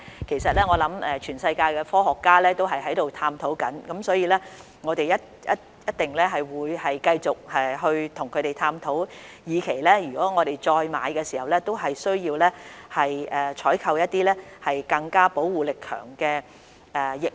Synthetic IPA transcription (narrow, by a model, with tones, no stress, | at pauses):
kʰe˨˩jsɐ˨t̚lɛː˥ŋɔː˨˧lɐ˨˥mɛː˧t͡ʃʰyː˨˩nsɐ˧jkaː˧jkɛː˧fɔː˥ɦɔː˨kːaː˥lɛː˥t̪o˥wɦɐ˨jɦɐ˨˥jt̪o˨wt̪ʰaː˧mt̪ʰo˨˥wkɐ˨˥nkɐ˨˥msɔː˨˥jiː˧lɛː˥ | ŋɔː˨˧t̪e˨jɐ˥t̚ | jɐ̰˦˥t̚ | jɐ˥t̚t̪ɪ˨ŋlɛː˥ɦɐ˨jwuː˨˧jhɐ˨jkɐ˧jt͡sʊ˨k̚ɛ˨ɦɵ˧ɥt̪ʰʊ˨˩ŋkʰɵ˨˧te˨˩jt̪ʰaː˧mt̪ʰo˨˥wjiː˨˧kʰe˨˩jlɛː˥jyː˨˩kɔː˨˥ŋɔː˨˧ɾe˨jt͡ʃɔː˧jma̰ː˨˧jkɛː˧siː˨˩hɐ˨wlɛː˥t̪o˥wɦɐ˨jsɵ˥ɥjiː˧wlɛː˥hɐ˨jʔɛː˨t͡ʃʰɔː˨˥jkʰɐ˧wjɐ˥t̚t̪iː˥lɛː˥hɐ˨jkɐ˧ŋkaː˥po˨˥wwuː˨˩lɪ˨kʰːœ̰ː˨˩ŋkɛː˧ | ɛː˨˩jɪ˨k̚